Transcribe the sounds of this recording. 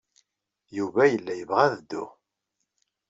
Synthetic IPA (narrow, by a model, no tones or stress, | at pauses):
juvæjəlːæjəvʁæðəd̪ːʊ̰